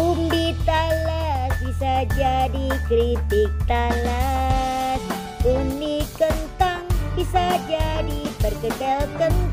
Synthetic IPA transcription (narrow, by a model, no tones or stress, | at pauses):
umbit̪alasbisad͡ʒadikɾit̪ɪk̚t̪ala | s | undikənt̪aŋbisad͡ʒadipərkət͡ʃalkən